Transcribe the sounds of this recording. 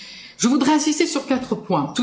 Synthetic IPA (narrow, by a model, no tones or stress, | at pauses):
ʒəvud̪ʁɛɛ̃sist̪esyʁkʲat̪χəpwɛ̃t̪u